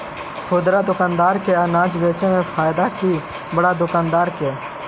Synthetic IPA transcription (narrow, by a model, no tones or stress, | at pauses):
pʰoːd̪ɾad̪ʊkãːnd̪aːɾkeənaːd͡ʒʋeːt͡ʃẽmẽpʰaːjd̪aki | bəɽad̪ʊkãːnd̪aːɾkeː